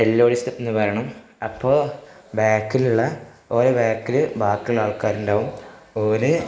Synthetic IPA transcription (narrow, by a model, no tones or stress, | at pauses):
elːoːɽist̪ɐtːenːɨpɐɾɐɳɐm | ɐpːoː | baːkːiluɭːɐ | oːɾoːbaːkːilɨbaːkːillaːɭkaːɾundaːʋum | oːɾɨ